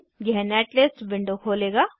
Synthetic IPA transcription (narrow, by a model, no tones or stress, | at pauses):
ɡɛɦnɛːʈleːsʈbɪ̃ɳɖokʰoːleːɡaː